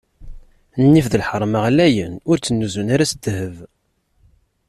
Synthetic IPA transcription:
nːifðəlħəɾˤməʁlæjənʊɾt͡sːənːuzunaɾæsət̪ːhəv

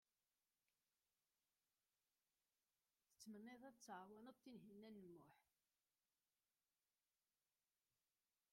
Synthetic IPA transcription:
θə̥t͡sːmənːeðˤæt͡sːəʕwænəðˤt̪ːinɦinːænːəmːʊħ

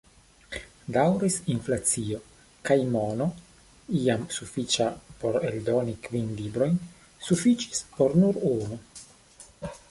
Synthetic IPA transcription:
dawɾisinflat͡sio̞ | kajmono | iamsufit͡ʃapo̞ɾeldo̞nikvinlibɾo̞jn | sufit͡ʃi̥spo̞ɾnuɾunu

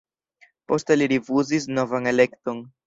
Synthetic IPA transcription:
po̞steliɾifuzis̬no̞vane̞le̞kto̞n

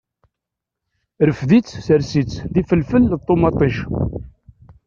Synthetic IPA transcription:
ɾəfðit͡sːsəɾsit͡sːðifəlfəlðt̪ˤːomɑt̪ˤːiʃ

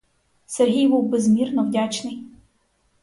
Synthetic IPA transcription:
serɦʲijbuwbezmʲirnɔwdʲat͡ʃnɪj

